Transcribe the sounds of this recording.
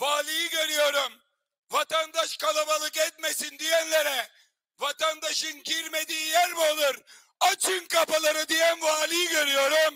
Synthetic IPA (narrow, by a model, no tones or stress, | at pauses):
ʋaːliːɡɐɾijoɾɐm | ʋɐt̪ɐnd̪ɐʃkɐlɐbɐlɐket̪mesind̪ijɛnlɐɾɛ | ʋɐt̪ɐnd̪ɐʃinkiɾmed̪ijɐɾbolɐɾ | ɐt͡ʃʰinkɐpɐlɐɾɐd̪ijɐmʋaːliːɡɐɾijoɾɐm